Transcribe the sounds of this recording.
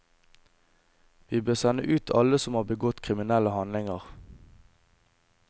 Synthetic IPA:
ʋiːbøːsɛnə̰ʔʉːt̪ʰɑ̰ləsɔmhɑːbəɡɔt̪kʰʁɪmɪnɛləhɑnlɪŋəʁ

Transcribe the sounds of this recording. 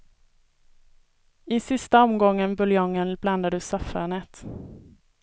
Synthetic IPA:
ɪsɪst̪aɔmɡɔŋːənbɵljɔŋːənbland̪ad̪ɵsafaɳɛt̪

